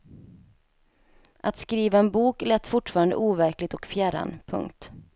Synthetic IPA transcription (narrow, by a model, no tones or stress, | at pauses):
ʔat̪skɾiːvaɛnbuːklɛt̪ːfʊʈfɑːɾand̪ə̰ʔuːvæɾklɪɡ̚t̪ɔkfjæɾa̰npʰɵ̰ŋkt̪